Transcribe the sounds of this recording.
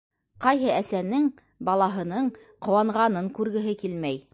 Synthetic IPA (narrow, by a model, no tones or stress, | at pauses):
qɑjɦɤæsænɘŋ | bɑlˠɑɦɤ̆nɤɴ | qŏwɑɴʁɑnɤŋkʉɾɡɘ̆ɦɘkilmæj